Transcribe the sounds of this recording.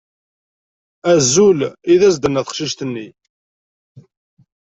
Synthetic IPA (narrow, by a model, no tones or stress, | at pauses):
æzːuliðæsd̪ənːæθə̥χʃiʃt̪ənːi